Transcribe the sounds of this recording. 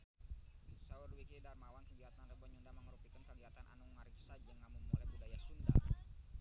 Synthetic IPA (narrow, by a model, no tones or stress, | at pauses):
usaərwikidarmawankəɲd͡ʒiat̪anləbɔɲundaməŋəɾupikankəliat̪anʔa̰nuŋaɾiksad͡ʒəŋamumulajbudajasunda̰